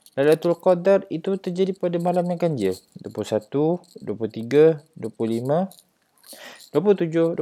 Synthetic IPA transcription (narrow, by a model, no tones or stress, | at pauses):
lalat̪ulkɔdarit̪ut̪ərd͡ʒadipadamaɦalamjãŋkaɲd͡ʒəduəpusat̪uduaput̪iɡaduəpuhlimã | d̥uaput̪ud͡ʒʊhd